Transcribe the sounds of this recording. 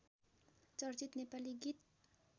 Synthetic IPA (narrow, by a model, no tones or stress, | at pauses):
t͡sʌɾt͡sit̪nepaliɡit̪̚